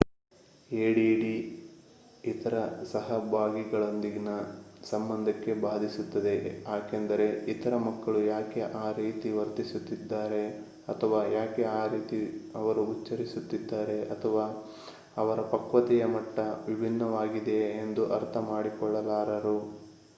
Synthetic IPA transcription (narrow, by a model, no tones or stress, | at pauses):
eːɽiɽi | it̪ɐɾɐsɐɦɐbʱaːɡiɡɐɭo̞nd̪iɡinɐsɐmbɐnd̪ʱɐkːe̞baːd̪ʱisut̪ːɐd̪e̞jaːkend̪ɐɾe̞it̪ɐɾɐmɐkːɐɭujaːke̞ʔaːɾiːt̪iʋɐɾt̪isut̪ːid̪ːaːɾe̞ | ɐt̪ʰɐʋaːjaːkeaːɾiːt̪iɐʋɐɾuːt͡ʃːɐɾisut̪ːid̪ːaːɾe̞ɐt̪ʰɐʋaː | ɐʋɐɾɐpɐkʋɐt̪ɛjɐmɐʈːɐʋibʱinːɐʋaːɡid̪e̞ːnd̪uʔɐɾt̪ʰɐmaːɽikɔɭːɐlaːɾɐɾu